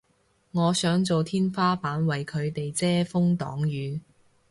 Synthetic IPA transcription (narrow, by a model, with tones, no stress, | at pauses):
ŋɔː˨˧sœː˨˥ŋt͡so˨wt̪ʰiː˥nfaː˥paː˨˥nwɐ˨jkʰɵ˨˧ɥt̪e˨jt͡sɛː˥fʊ˥ŋt̪ɔ̰ː˨˥ŋjyː˨˧